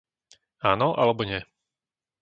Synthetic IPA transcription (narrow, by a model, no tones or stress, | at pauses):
aːnɔʔa̰lɛbɔɲɪɛ